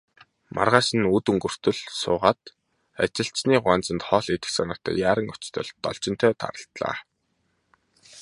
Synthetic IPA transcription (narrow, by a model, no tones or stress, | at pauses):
mʔa̰rʁaːʃə̆nut̪ɵŋɡɵ̆r̥t̪ɵ̆ɮsʊ̰ːʁaːt̪ | at͡ɕɪ̆ɬt͡ɕniːɢwaːnt͡sə̆nt̪χɔːɮet̪ɘ̥̆xsanɔ̆ːt̪ʰœ̰ːjaːɾə̆ŋʊt͡ɕt̪ʰə̰̆ɮt̪ːɔ̰ɮt͡ɕɪ̆nt̪ʰœːt̪ʰa̰ɾə̆ɬt̪ɮa̰ː